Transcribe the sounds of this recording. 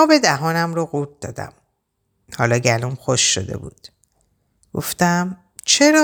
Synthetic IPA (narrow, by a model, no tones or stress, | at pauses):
ɒːbe̞d̪æɦɒːnæmɾɒɣuːɾ̚d̪ɒ̰ːd̪æ̰m | hɒːlɒːɟælumxoʃːo̰d̪e̞̰bṵːd̪̥ | ɡ̥o̞̰ft̪æm | t͡ʃʰe̞ɾɒː